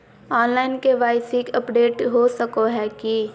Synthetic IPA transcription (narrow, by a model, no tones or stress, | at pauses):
ɔːnlaːɪnkeʋaːɪsikəpɖeːʈɦosəkoɦɛki